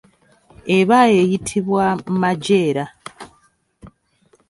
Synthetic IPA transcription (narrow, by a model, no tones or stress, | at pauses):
eβajejitʰiβwammaɟe̞ːɾa